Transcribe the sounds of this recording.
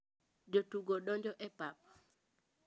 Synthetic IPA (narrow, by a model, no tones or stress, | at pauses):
d͡ʒotuɡoɗɔɲd͡ʒɔʔɛpap̚